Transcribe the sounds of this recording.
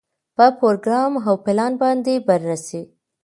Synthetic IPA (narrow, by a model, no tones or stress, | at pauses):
pəpɾoɾɡɾɑmɦawpɪlɑnbɑnd̪ebəɾːase